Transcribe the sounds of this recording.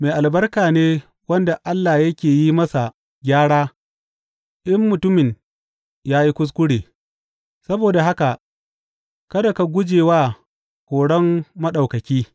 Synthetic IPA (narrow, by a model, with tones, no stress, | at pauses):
meː˨ʔa˨lbɐ˦rkaː˨neː˦ | wɐ˦nda˨ʔa˦lːa˨jɐ˦kʲeː˨ji˦mɐ˦sa˨ | ɡʲaː˦ɽaː˦ | ʔɪ˦mːʊ˨tʊ˦mɪ˨ɲ | jaː˦ji˦kʷʊ˦s̬kʷʊ˦ɽeː˨ | sɐ˦boː˨da˨ɦa˦ka˨ʔ | kɐ˦da˨ka˨ɡʷʊ˦d͡ʒeː˨waː˦ | kʷoː˨ɽɔ˦mːɐ˦ɗɐ˨wkɐ˨kʲiː˦